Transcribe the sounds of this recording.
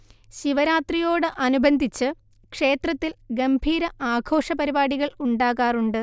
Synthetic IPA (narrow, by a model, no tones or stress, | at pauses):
ɕiʋɐɾaːt̪rijo̞ːɽɨʔɐnubʱɐnd̪ʱit͡ɕːɨ | kʂe̞ːt̪rɐt̪ːilɡɐmbʱiːɾɐʔaːɡʱo̞ːʂɐpɐɾibaːɽiɣɐɭuɳɖaːɣaːruɳɖɨ